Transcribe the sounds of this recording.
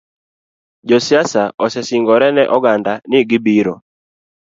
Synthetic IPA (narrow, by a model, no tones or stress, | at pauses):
d͡ʒɔsɪasaʔɔsɛsiŋɡɔɾɛnɛʔɔɡandanɪɡɪbiɾo̰